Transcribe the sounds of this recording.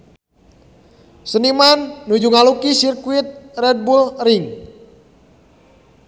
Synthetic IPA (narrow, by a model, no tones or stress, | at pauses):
sənimanːud͡ʒuŋalukisirkuit̪̚rɛd̪̚bulriŋ